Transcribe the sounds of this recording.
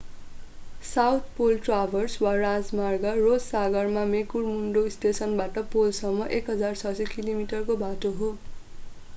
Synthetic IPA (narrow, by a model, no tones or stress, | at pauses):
sawt̪ʰpolʈrabʱʌrswarad͡zmarɡʌrod͡zsaɡʌrmamekurmuɳɖost̪esʌnbaʈʌpolsʌmːʌʔekɦʌd͡zart͡sʰʌsekilomiʈʌrkobʱatoɦo